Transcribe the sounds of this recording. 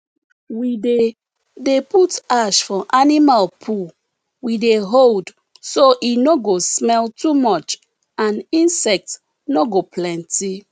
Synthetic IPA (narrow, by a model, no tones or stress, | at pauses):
wide | deputaʃfɔʔanimalpʰu | wideɦold | soʔinoɡosmɛltumɔt͡ʃ | ãnĩnsɛk̚t | noɡoplɛ̃nti